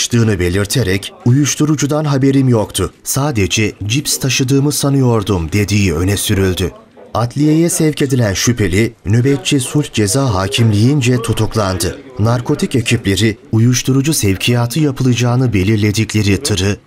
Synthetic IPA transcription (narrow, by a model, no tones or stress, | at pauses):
ʃt̪ɯːnɯbe̞lʲiɾt̪ʰeɾɛcujuʃt̪ʰuɾud͡ʒud̪anɦabe̞ɾimjo̞kt̪ʰʊsaːd̪ed͡ʒɛd͡ʒipst̪ʰaʃɯd̪ɯːmɯsanɯjo̞ɾd̪umd̪e̞d̪ijiø̞nɛsyɾylʲd̪y | at̪ʰlʲijejɛsɛvce̞d̪ilʲænʃypʰe̞lʲinøbɛt̪̚t͡ʃʰisulʲhd͡ʒe̞zaːɦaːcʰimlʲijind͡ʒɛt̪ʰut̪ʰuklˠand̪ɯnaɾkʰo̞t̪ʰice̞cʰiplʲe̞ɾiujuʃt̪ʰuɾud͡ʒusɛvcʰijaːt̪ʰɯjapʰɯlˠɯd͡ʒaːnɯbe̞lʲiɾlʲe̞d̪iclʲe̞ɾit̪ʰɯɾɯ